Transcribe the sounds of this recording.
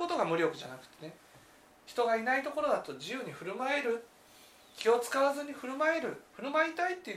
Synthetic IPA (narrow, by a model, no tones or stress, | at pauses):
o̞t̪o̞ɡamɯ̟ɾʲo̞kɯ̟ʑanakɯ̟̥t̪e̞ne | çi̥t̪o̞ɡainait̪o̞ko̞ɾo̞d̪at̪o̞d͡ʑijɯ̟ːɲ̟iɸɯ̟ɾɯ̟mae̞ɾɯ̟ | kʲio̞t͡sɨ̥kaβazɨɲ̟iɸɯ̟ɾɯ̟maeɾɯ̟ɸɯ̟ɾɯ̟maeit̪ait̪ːe̞